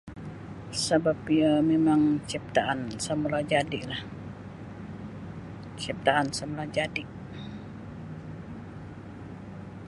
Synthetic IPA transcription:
sabapiamemaŋt͡ʃip̚t̪aʔansəmulad͡ʒadɪʔlah | t͡ʃip̚t̪aʔansəmulad͡ʒadɪʔ

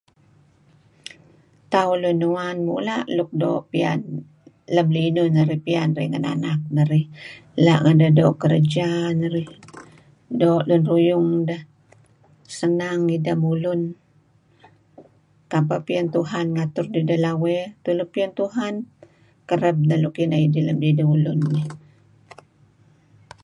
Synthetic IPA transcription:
t̪aulunːuanmṵʔlaʔluk̚do̰ʔpia̰n | ləmlinunəɾihpianrəhŋəna̰nak̚nəɾɪhlaʔŋədəhdoʔkəɾəd͡ʒanəɾɪh | doʔlunrujʊŋdəh | sənaŋidamulʊn | kapapiant̪uɦanŋat̪ʊrdidəhlawɛt̪ulʊpiant̪uɦan | kəɾəb̚nəlukinaidiləmlidaulʊnːi

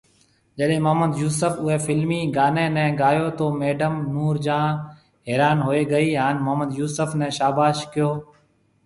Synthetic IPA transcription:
d͡ʒəɗẽːməɦməd̪juːsəfʊɦeːfɪlmiːɡaːnẽːnɛ̃ːɡaːjoːt̪oːmeːɖəmnuːɾd͡ʒãː | ɦeːɾaːnɦoːeːɡəiːɦaːnməɦməd̪juːsəfnɛ̃ːʃaːbaːʃkɪjoː

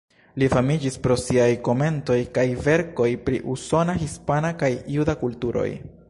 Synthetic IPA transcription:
lifamid͡ʒispɾo̞siajko̞me̞nto̞jkajve̞ɾko̞jpɾḭʔuso̞naɦispanakajjudakultuɾo̞̰j

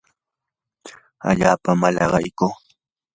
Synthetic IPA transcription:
a̰ʎaːpamalɑɢɑjkʊː

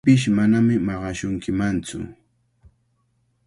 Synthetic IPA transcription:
pɪʃ̬manamɪmɑɢɑʃʊŋkɪmant͡sʊ̰

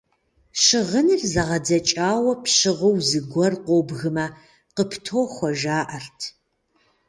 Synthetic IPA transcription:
ɕɪʁənɨrzɐʁɐdɐt͡ʃʼaːwɐpʰɕɪʁəwzɨɡʷɔrqʷobɣɨmɐ | qəpʰtʰoːxʷɔʒaːʔɐrtʰ

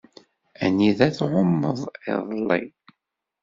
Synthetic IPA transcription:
æniðæθʕʊmːəðˤɪ̰ðˤlːḭ

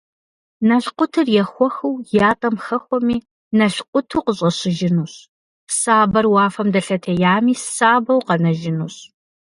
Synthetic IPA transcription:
nɐɬqʷʊtʰɨrjɛxʷɔxɐwjaːtʼɐmxɐxʷɔmiː | nɐɬqʷʼʊtʰuːqəɕʼɐɕɪʒɪnuːɕ | saːbɐrwɑːfɐmdɐɬɐtʰɐjaːmiːsaːbɐwqɐnɐʒɪnṵːɕ

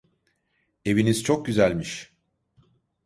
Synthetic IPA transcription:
e̞viniz̥t͡ʃʰo̞k̚ɟyzælʲmiʃ

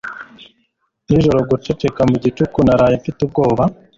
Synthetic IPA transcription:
niʒo̞ɾo̞ɡut͡ʃe̞t͡ʃe̞kamuɟit͡ʃukunaɾajeɱfitub̚ɡo̞ːβa

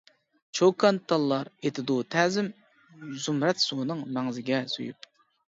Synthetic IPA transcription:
t͡ʃʰokʰɑnt̪ʰːɑlˠːɑɾet̪ʰɪd̪ut̪ʰɛːzɪm | zumɾɛt̪sunɨŋmɛŋzɪɡʲɛsṵjṵp̚

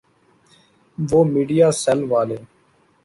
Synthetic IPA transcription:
ʋoːmiːɖijaːsɛlʋaːleː

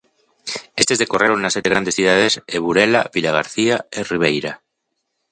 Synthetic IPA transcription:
est̪e̞zðekoreɾonnaset̪eɾand̪esθiðað̞eseβuɾelaβilaɣ̞aɾθiaeriβ̞ejɾa

